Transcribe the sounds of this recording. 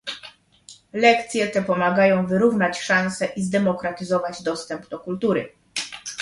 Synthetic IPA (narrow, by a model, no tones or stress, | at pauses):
lɛkt̪sʲjɛt̪ɛpɔmaɡajɔ̃w̃vɘɾuvnat͡ɕʂansɛʔizd̪ɛmɔkɾat̪ɘzɔvad͡ʑd̪ɔst̪ɛmpd̪ɔkult̪uɾɘ̰